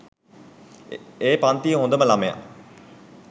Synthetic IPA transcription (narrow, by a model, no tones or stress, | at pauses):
eːpant̪iəɦõnd̪əməlameja̰